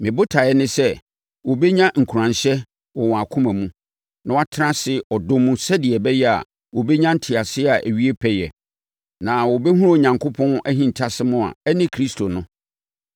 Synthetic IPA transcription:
mɪ̃˨bʊ˦tʰa˨ɛ˦nɪ̃˦sɛ˦ | wɔ˨bɛ˦ɲã˦ŋ̩˨kʰu˨ɾã˨ɕɛ˦ | wɔ˨wɔ̃˨a˨kʰʊ̃˦mæ̃˨mũ˦ | nã˨wa˦tʰɪ˦ɾã˦sɪ˦ɔ˨dʊ̃˦mũ˦sɛ˦dɪ˨ɛ˨bɛ˦jɛ˦a̰˨ | wɔ˨bɛ˦ɲã˦n̩˦tʰɪ˨a˨sɪ˦a˨ʔæ̰˨ɥi˦e˦pʰɛ˦jɛ̰˨ | nã˨wɔ˨bɛ˦hũ˦ɾo˦˨ɲã˨ŋkʰʊ˦pʰɔ̃˦næ˦ɦĩ˨n˨tʰa˦sɪ˦mʊ̃˦a̰˨ɛ˦nɪ̃˦kʰɾi˦stʰo˨nʊ̃˦

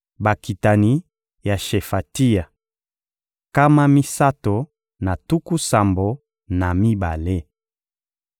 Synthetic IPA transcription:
ba˨ki˨ta˨ni˦ | ja˨ʃe˨fa˨ti˦ja˨ | ka˦ma˦mi˦sa˦to˨ | na˨tu˦ku˦sa˨mbo˨ | na˨mi˦ba˨le˦

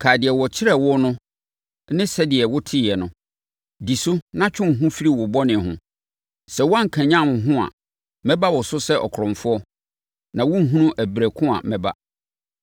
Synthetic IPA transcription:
kʰaː˨dɪ˨ɛ˨wɔ˨t͡ɕʰɪ˦ɾɛ˦wʊ˦nʊ̃˦ | nɪ̃˦sɛ˦dɪ˨ɛ˨wʊ˦tʰɪ˦˨ɛ˨nʊ̃˨ | di˨sʊ˦nã˦t͡ɕʰᶣʊ̃˦ŋ˨ɦũ˦fi˦ɾi˦wʊ˨bɔ˦nɪ̃˨hʊ̰̃˨ | sɛ˨wɔ˦ã˦ŋ̩˨kʰã˨ɲã˦˨mʊ̃˨ɦʊ̃˦a̰˨ | mɛ̃˦ba˦wɔ˨sʊ˦sɛ˦ʔɔ̰˨kʰɾʊ̃˨ɱfʊ˦ɔ˦ | nã˨wʊ̃˦ŋ̩˦ɦũ˦nũ˦ʔæ˨bɾæ˨kʰʊ̃˦a̰˨mɛ˨ba̰˦

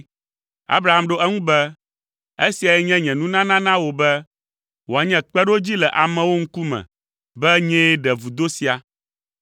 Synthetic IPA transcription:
a̰˦bɾa˦˨a˦mɖo˦ɛ˦ŋũ˦bɛ˦ | e˦si˨a˨jɛ˦ɲɛ̃˦ɲɛ̃˨nũ˦nã˦nã˦nã˦wo˨bɛ˦ | wo˨a˨ɲɛ̃˦k͡pɛ˦ɖo˦d͡ʑi˦lɛ˨ʔa˨mɛ̃˨wo˦ŋ̩˦ku˦mɛ̰̃˨ | bɛ˦ɲɛ̃˦ɛ˦ɖɛ˨vu˨d̪o˦si˨a˨

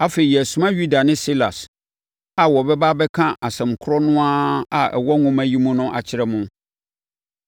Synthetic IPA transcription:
a˦fe˨i˨ɛ˨æ˨sũ˦mã˦ɥu˦da˨nɪ̃˦si˦la̰˨s | a˨wɔ˨bɛ˦ba˦bɛ˦kʰã˦ʔa˨sɛ̃˨m˨kʰʊ˦ɾɔ˦nʊ̃˦a˦a˨ʔɛ̰˨wɔ˦ŋʊ̃˦mæ̃˦ji˦mũ˦nʊ̃˦ʔa̰˨t͡ɕʰɪ˦ɾɛ˦mʊ̃˦

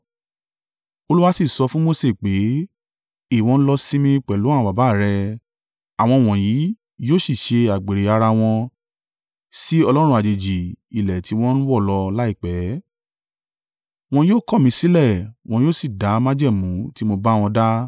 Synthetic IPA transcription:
o˧lu˦wa˦si˦˨sɔ˧fũ˦mo˦se˦˨k͡pe˨˦ | i˦˨w̃ɔ̃˧ñ̩˦lɔ˧sĩ˦mĩ˧k͡pɛ˨lũ˨˦˨ba˨ba˨˦˨ɾɛ˧ | a˨w̃ɔ̃˧˨w̃ɔ̃˨ji˨˦ | joː˦˨si˦˨ʃe˧a˨ɡ͡be˨ɾe˨a˧ɾa˧w̃ɔ̃˧ | si˦ɔ˧lɔ˦ɾ̃ũ˧a˨d͡ʒe˨d͡ʒi˨i˨lɛ˨ti˨˦w̃ɔ̃˦ñ̩˦wɔ˦˨lɔ˧la˦i˦˨k͡pɛ˨˦ | w̃ɔ̃˧joː˦˨kɔ˦˨mĩ˧˦si˦lɛ˦˨w̃ɔ̃˧joː˦˨si˦˨da˨˦mã˦d͡ʒɛ˦˨mũ˨˦ti˦mo˧ba˦˧w̃ɔ̃˧da˦

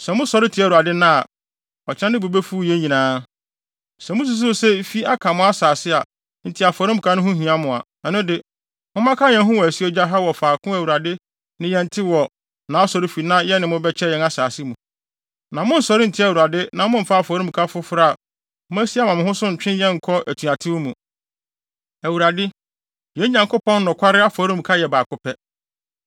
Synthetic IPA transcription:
sɛ˨mʊ̃˦sɔ˨ɾɪ˦tʰi˨˦æ˨u˨a˨dɪ˦nã˦˨ | ɔ˨t͡ɕʰɪ˦ã˦nɪ̃˦bu˨be˦fu˦˨jɛ̃˦ɲĩ˨nãː˦ | sɛ˨mʊ̃˦s̬u˨s̬ʊ˦sɛ˦fi˦a˦kʰa˨mʊ̃˦a˦saː˨sɪ˦a˨ | n̩˨tʰɪ˦a˨fɔ˨ɾɪ̃˦m̩˨kʰa˦nʊ̃˦ɦʊ̃˦ɦĩ˨ã˦mʊ̃˨a̰˨ | ɛ˨nʊ̃˦dɪ˨ | mʊ̃˦mã˦kʰa˦ɲɛ̃˨˦ɦʊ̃˦wɔ˨æ˨si˦ɛ˦d͡ʑa˦ɦa˦wɔ˨faː˨kʰʊ̃˦æ˨wu˨ɾa˨dɪ˦ | nɪ̃˦jɛ̃˦n̩˦tʰɪ˦wɔ˨ | nã˨˦a˦sɔ˨ɾi˦fi˨nã˦jɛ˦nɪ̃˨mʊ̃˦bɛ˦t͡ɕʰɛ˦jɛ˨˦a˦saː˨sɪ˦mũ˨ | nã˨mʊ̃˦n̩˨sɔ˨ɾɪ˦n̩˨tʰɪ˦æ˨wu˨ɾa˨dɪ˦nã˨mʊ̃˦m̩˨fa˦a˨fɔ˨ɾĩ˦m̩˨kʰa˦fʊ˦fɾa˦˨˦ | m̃˦æ˦si˦a˦mã˨mɪ̃˨hʊ̃˦sʊ˦ɲ̩˨t͡ɕᶣɪ̃˦jɛ̃˦ŋ̩˨kʰɔ˦ʔæ˨tʰu˨a˨tʰɪ˦wmũ˨ | æ˨wu˨ɾa˨dɪ˦ | jɛ̃˨˦ɲã˨ŋkʰʊ˦pʰɔ̃˦n˦nʊ̃˨kʷʰa˦ɾɪ˦a˦fɔ˨ɾĩ˦m̩˨kʰa˦jɛ˨baː˨kʊ˦pʰɛ˦

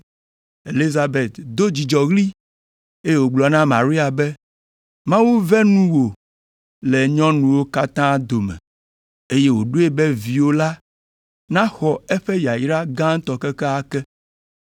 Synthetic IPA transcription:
e˨li˦za˨be˨t̪d̪o˦d͡ʑi˨d͡ʒɔ˨ɣli˦ | e˦e˦wo˨ɡ͡blɔ˨nã˦mã˨ɾi˦a˨bɛ˦ | mã˦wu˦vɛ˦nũ˦wo˨ | lɛ˨ɲɔ̃˦nũ˨wo˦ka˦t̪ã˦d̪o˨mɛ̰̃˨ | e˦je˦wo˨ɖu˦e˦bɛ˦vi˨wo˦la˦ | nã˦xɔ˨ɛ˦ɸɛ˦ja˨ji˦ɖa˦ɡã˦ŋ̩˦t̪ɔ˨kɛ˦kɛ˦a˦kɛ˦

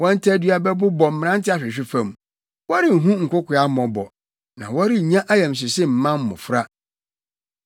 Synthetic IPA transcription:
wɔ̃˦n̩˦tʰa˦dɥa˦bɛ˦bʊ˦bɔ˨m̩˦m̃˨ã˦n̩˦tʰɪ˦a˨ɕᶣɪ˨ɕ̬ᶣɪ˦fã˨m˨ | wɔ˦ɾɪ˦˨ɦũ˦ŋ̩˨kʷʊ˦kʰʷʊ˨a˦mɔ̃˨bɔ˨ | nã̰˨wɔ˦ɾɪ˦˨ɲã˦ʔa˦jɛ̃˨m˨s̬ɪ˨sɪ˦m̩˨mã˦m˦mʊ̰̃˨fɾa˦

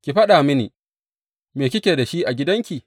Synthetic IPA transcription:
kʲi˨ɸɐ˦ɗaː˨mɪ˦nḭː˨ | meː˨k̬ʲɪ˦kʲeː˨da˨ʃi˦ʔa˨ɡʲɪ˦dɐ˦ŋkʲi˨

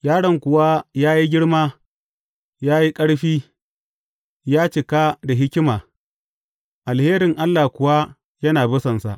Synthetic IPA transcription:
jaː˦ɽɐ˨ŋkʷʊ˨wa˦jaː˦ji˦ɡʲɪ˦ɽmaː˦ | jaː˦ji˦kʼɐ˦ɽɸiː˦ | jaː˦t͡ʃɪ˨ka˦da˨ɦɪ˦kʲɪ˦maː˨ | ʔa˨lheː˦ɾɪ˨ŋʔa˦lːaː˨kʷʊ˨wa˦ | jɐ˦naː˨bʊ˦sɐ˨nsa̰˨ʔ

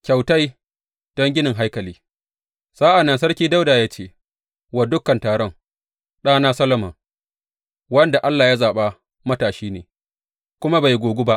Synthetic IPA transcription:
kʲa˨wta˦j | d̥ɔ˦ŋɡʲɪ˦nɪ˨ŋɦa˦jkɐ˨liː˦ | saː˦ʔa˨nːa˨s̬ɐ˦rkʲiː˦da˦wdaː˨jaː˦t͡ʃeː˦˨ | wa˨dʊ˦kːɐ˨ntaː˨ɽɔ˦ŋ | ɗaː˦naː˦sɐ˦lɐ˦mɐ˨ | wɐ˦nda˨ʔa˦lːaː˨ja˦zaː˨ɓa˦ | mɐ˦taː˨ʃiː˦nḛː˨ | kʷʊ˦ma˦ba˨jɡʷoː˨ɡʷʊ˦ba˦ʔ

